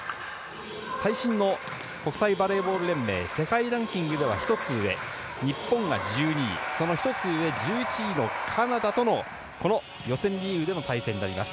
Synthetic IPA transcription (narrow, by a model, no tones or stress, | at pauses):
saiɕĩnːo̞ | ko̞kɯ̟saibaɾe̞ːbo̞ːɾɯ̟ɾẽ̞mːe̞̰ːse̞kaiɾãŋkʲĩŋɡɯ̟d̪e̞β̞a̰çi̥t̪o̞t͡sɨɯe̞̰ | ɲ̟ipːõ̞ŋɡa̰d͡ʑɨːɲ̟ḭso̞no̞çi̥t̪o̞t͡sɨɯe̞d͡ʑɨːit͡ɕiɲino̞kʰanad̪at̪o̞no̞ | ko̞no̞ | jo̞sẽ̞ɲɾʲijɯːd̪e̞not̪aisẽ̞ɲ̟ːinaɾʲima̰sɨ̥